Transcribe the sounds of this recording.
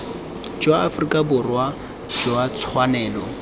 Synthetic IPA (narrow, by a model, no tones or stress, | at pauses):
d͡ʒwaafrikʼabʊrwa | d͡ʒɔat͡sʰwanɛːlɔ